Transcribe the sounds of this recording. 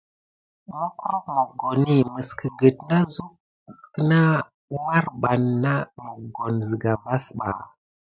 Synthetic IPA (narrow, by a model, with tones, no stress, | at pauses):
mo˦kɾo˦kmo˨ɡo˨ni˦mə˨skʰə˨ɡə˨tna˦zu˦k̚ː | ə˦na˦ | wa˦ɾɓa˨nːa˦mo˨ɡo˨nzi˨ɡa˨va˦sɓa̰˨